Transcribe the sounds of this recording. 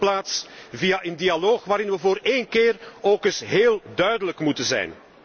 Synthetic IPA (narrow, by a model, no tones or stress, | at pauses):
plaːtsvijaʔəndialoːxʋaːɾɪnʋəvoːɾeːnkɪːroːkɪsɦeːlˠdœɥdələkmutənzɛ̰jn